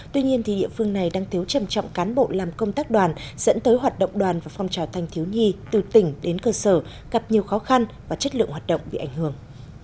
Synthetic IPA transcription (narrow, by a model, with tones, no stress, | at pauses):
t̪wi˧ɲi˧ənt̪ʰi˨˩ɗḭ˧˨əfɨ˧əŋna˨˩jɗaː˧ŋt̪ʰi˨˦wt͡ɕə˨˩mt͡ɕɔ̰˧˨wŋ͡mkaː˨˦nɓo̰˧˨laː˨˩mkə˧wŋ͡mt̪aː˦˥k̚ɗwaː˨˩nz̥ə̰˧˥nt̪əː˨˦jɦwaː˨˩t̚ɗə̰˧˨wŋ͡mɗwaː˨˩nvaː˨˩fɔ˧wŋ͡mt͡ɕaː˨˩wt̪ʰa˧jŋ̟t̪ʰi˨˦wɲi˧t̪ɨ˨˩t̪ï˧˩ŋ̟ɗe˨˦nkəː˧səː˧˩ | ɣa˨˩p̚ɲi˨˩əwxɔ˨˦xa˧nvaː˨˩t͡ɕə˦˥t̚lɨ̰˧˨əŋhwaː˨˩t̚ɗə̰˧˨wŋ͡mɓḭ˧˨ʔa˧˩jŋ̟hɨ˧˩əŋ